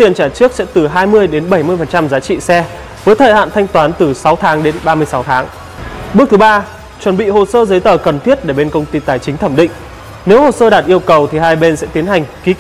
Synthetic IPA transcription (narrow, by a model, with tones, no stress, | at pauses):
t̪i˨˩ənt͡ɕaː˧˩t͡ɕɨ˦˥ək̚sɛ̰˧˥t̪ɨ˨˩ɦaː˧jmɨ˧əjɗe˨˦nɓə˧˩jmɨ˧əjfə˨˩nt͡ɕa˧mzaː˨˦t͡ɕḭ˧˨sɛ˧ | vəː˨˦jt̪ʰəː˧˨jha̰ː˧˨nt̪ʰa˧jŋ̟t̪waː˨˦nt̪ɨ˨˩sa˨˦wt̪ʰaː˨˦ŋɗe˨˦nɓaː˧mɨ˧əjsa˨˦wt̪ʰaː˨˦ŋ | ɓɨ˦˥ək̚t̪ɨ˨˦ɓaː˧ | t͡ɕwə˧˩nɓḭ˧˨ho˨˩səː˧zə˨˦jt̪əː˨˩kə˨˩nt̪ʰi˦˥ət̚ɗe˧˩ɓe˧nkə˧wŋ͡mt̪i˧t̪aː˨˩jt͡ɕï˨˦ŋ̟t̪ʰə˧˩mɗḭ̈˧˨ŋ̟ | ne˨˦who˨˩səː˧ɗaː˨˩t̚ʔi˧əwkə˨˩wt̪ʰi˨˩ɦaː˧jɓe˧nsɛ̰˧˥t̪i˨˦ənha˨˩jŋ̟ki˨˦